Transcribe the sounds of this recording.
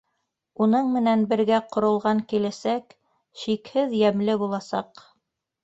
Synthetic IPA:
unɤɴmɘ̆nænbɘ̆ɾɡæqŏɾŏlˠʁɑŋkilæsæk | ʃikhɘðjæmlɘbulˠɑsɑq

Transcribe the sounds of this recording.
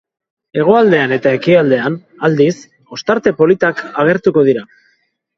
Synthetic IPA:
e̞ɣ̞o̞ald̪e̞ane̞t̪ae̞kiald̪e̞an | ald̪is | o̞st̪aɾt̪e̞po̞lit̪akaɣ̞e̞ɾt̪uko̞ð̞iɾa

